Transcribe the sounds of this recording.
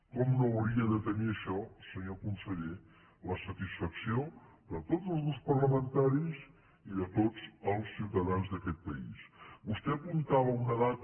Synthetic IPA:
kɔmnowɾiəðət̪əniəʃɔsəɲokunsəʎe | ləsət̪isfəksio | d̪ət̪od͡zəlˠzðuspərləmənt̪aɾiz | iðət̪od͡zəlˠsːiwt̪əðanzðəkɛt̪̚pəḭsbust̪ɛəpunt̪aβ̞əunəðat̪

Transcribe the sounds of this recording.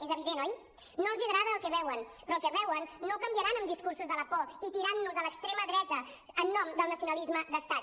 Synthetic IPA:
ezəβiðenɔj | noəlˠziəɣɾaðəəlˠkɛβɛwənpɾɔlˠkɛβɛwənːokəmbjəɾanəmd̪iskursuzðələpɔit̪iɾanːuzələkst̪ɾeməðɾɛt̪əː | nːɔmd̪əlˠnəsiunəlizməðəst̪at̪

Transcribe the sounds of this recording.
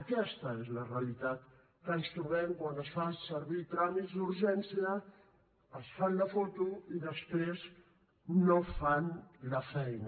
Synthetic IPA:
kɛst̪əezləreəlit̪at̪ | kəənst̪ɾuβɛmkwanəsfasəɾβit̪ɾamizd̪uɾʒɛnsiə | əsfanləfot̪uiðəspɾez | nofanləfɛjn

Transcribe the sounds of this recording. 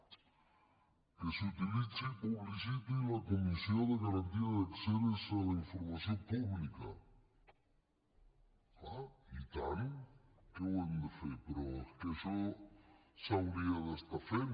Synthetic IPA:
kesut̪ilit͡sipuβlisit̪uilakumisjoðeɣaɾant̪iaðakseɾesalaiɱfoɾmasjopuβlikɐ | ait̪ankewend̪efepeɾɔeskeʃɔ | sawɾiaðest̪afe

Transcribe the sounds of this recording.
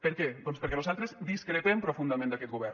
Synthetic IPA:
pəɾkɛd̪ɔnspəɾkɛnuzalˠt̪ɾezd̪iskɾet̪ɛmpɾofund̪amẽnd̪akɛt̪̚ɡuβɛɾ

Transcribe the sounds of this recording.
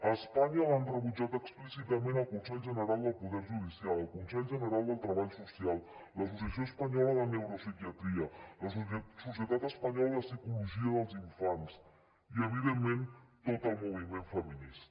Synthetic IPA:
əspaɲəlanrəβud͡ʒat̪əksplisit̪əmẽnəlˠkunsɛʎʒənəɾalˠd̪əlˠpuðɛɾʒuð̞isialəlˠkunsɛʎʒənəɾalˠd̪əlˠt̪ɾəβaʎsusialˠləsusiəsjoəspəɲɔləðənewɾosikjət̪ɾiələssusjət̪at̪əspəɲɔlðəsikuluʒiəðəlˠziɱfans | iəβiðemːent̪ot̪əlˠmuβimeɱfəminis

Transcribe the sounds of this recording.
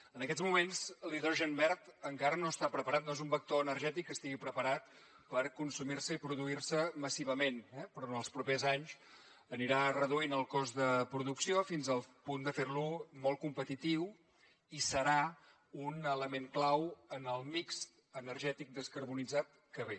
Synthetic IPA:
ənəkɛzmumenzliðɾɔʒɛmbɛrt̪əŋkaɾənoəst̪apɾəpəɾat̪noezumbək̚t̪oənəɾʒɛt̪ikːəst̪iɣipɾəpəɾat̪̚ | pəɾkunsumirsəipɾuðuirsəməsiβəmenɛpɾɔnəlˠspɾupezaɲs | əniɾarəðuinəlˠkɔzðəpɾuðuksiofinzəlˠpund̪əfeɾlumɔlˠkumpət̪it̪iw | isəɾa | unələmeŋklawənəlˠmikst̪ | ənəɾʒɛt̪ik̚d̪əskəɾβunid͡zat̪ | kəβe

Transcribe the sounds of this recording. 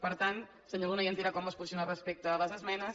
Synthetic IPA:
pəɾt̪an | səɲolunəjiənt̪iɾakɔmbaspunsionarəspek̚t̪əːləzəzmɛnə

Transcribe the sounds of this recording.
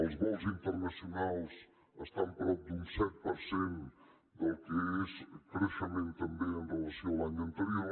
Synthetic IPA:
ɐlˠzɣɔlˠzĩnt̪əɾnɐsjunalˠs | əst̪ãm̃pɾɔp̚d̪ũsɛt̪̚pɐɾsẽn | d̪ɐlˠkɨeʃkɾeʃɐmẽnt̪ɐmbẽɐ̃nd̪ɐlˠɐsiowaɲɐ̃nt̪əɾio

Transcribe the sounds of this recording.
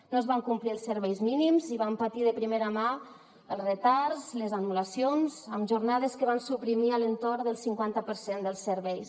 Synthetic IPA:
noezβaŋkumpliəlˠsəɾβɛjzminimziβampat̪iðəpɾimeɾama | əlˠrət̪aɾzləzanulasionzəmʒurnað̞eskəβ̞ansupɾimiələnt̪oɾðəlˠsiŋkwant̪əpəɾsend̪əlˠsəɾβɛjs

